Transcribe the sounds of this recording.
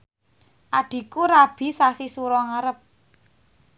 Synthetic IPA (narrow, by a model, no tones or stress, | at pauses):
ʔaɖ̪̥i̤kuɾab̥i̤sasisuɾɔŋaɾəp̚